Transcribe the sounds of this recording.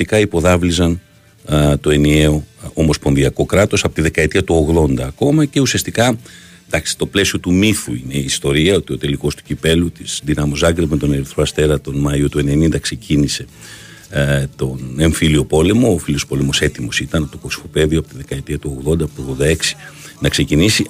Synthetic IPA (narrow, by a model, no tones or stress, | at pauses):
ikɐipo̞ðɐvlizɐn | t̪o̞e̞nie̞o̞omo̞spo̞nðiɐko̞kɾɐt̪o̞sɐpo̞t̪iðe̞kɐet̪iɐt̪uo̞ɣðo̞nd̪ɐːko̞mɐce̞usiɐst̪ikɐd̪ɐksi̥t̪o̞ple̞sio̞t̪umiθuine̞iːst̪o̞ɾiɐo̞t̪io̞t̪e̞liko̞st̪u̥cipe̞lut̪izðinɐmozɐɡɾimet̪o̞neɾiθɾoɐst̪e̞ɾɐt̪o̞nmɐiut̪ue̞ne̞nind̪ɐkse̞cinise̞ | t̪o̞ne̞ɱfilio̞po̞le̞mo̞ːfilio̞spo̞le̞mo̞se̞t̪imo̞sit̪ɐnt̪oko̞si̥fo̞pe̞ðiopo̞t̪iðe̞kɐet̪iɐt̪uo̞ɣðo̞nd̪ɐpot̪oɣðod̪ɐe̞ksi̥ | nɐkse̞cinisi